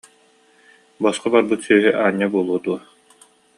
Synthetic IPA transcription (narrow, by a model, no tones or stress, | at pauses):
bɔsqɔbaɾbɯt̪syːɦyʔaːɲːabuɔlˠuɔd̪uɐ